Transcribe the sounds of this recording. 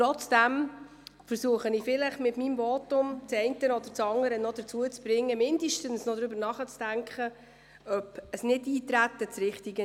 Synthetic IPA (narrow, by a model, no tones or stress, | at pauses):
ɾɔt͡sd̥æm | fəɾsuəχənɪfɪləχmɪtmiːmvɔːtʊmt͡sɛɪntənɔd̪əɾt͡sɑŋdəɾənɔd̥ət͡suət͡sb̥ɾɪŋːəmɪndəʃtənsnɔd̪ɾʏbəɾnɑχət͡sd̥æŋkχə | œpəsnɪdiːtɾæt̪ːət͡sɾɪχtiɡə